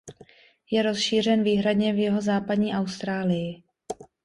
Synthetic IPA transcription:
jɛɾo̞sʃiːr̝ɛnviːɦɾadɲɛvjɪɦo̞zaːpadɲiːʔawst̪ɾaːlɪjɪ

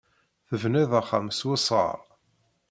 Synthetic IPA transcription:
θəvnæðæχːa̰mswɪsˤə̰ɾˤ

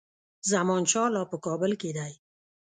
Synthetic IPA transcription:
zamɔnʃɑlɑpəkɑbɪlked̪aj

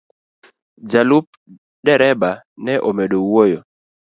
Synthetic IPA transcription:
d͡ʒalup̚ | ɗɛɾɛba | nɛʔomedowojo

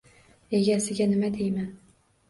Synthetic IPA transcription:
e̞ɡʲasɪɡʲanɪmad̪ejman

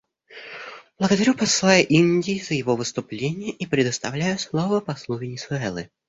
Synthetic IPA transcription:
b̥lˠəɡəd̪ɐɾʲupɐslˠajʊʔinʲdʲɪːzəjɪvovɨst̪ʊplʲenʲɪjəʔipɾʲɪd̪əst̪ɐvlʲæjʊslˠovəpɐslˠuvʲɪnʲɪsʊɛlˠɨ̰

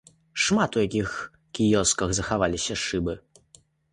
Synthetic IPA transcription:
ʂmat̪ujakʲix | kʲijɔskɐɣzɐxavalʲisʲɐʂɨbɨ

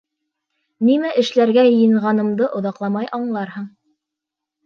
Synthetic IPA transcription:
nimæʔɘ̆ʃlæɾɡæjɤ̆jɤ̆ɴʁɑnɤ̆md̪ɤʔŏðɑqlˠɑmɑjʔɑɴlˠɑɾhɤɴ

